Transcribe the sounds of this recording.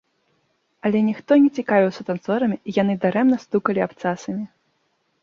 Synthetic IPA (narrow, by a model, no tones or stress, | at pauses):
ɐlʲɛnʲixt̪ɔnʲɛt͡sʲikavʲiwsɐt̪ant̪sɔɾɐmʲiijanɨd̪aɾɛmnɐst̪ukɐlʲiapt̪sasɐmʲi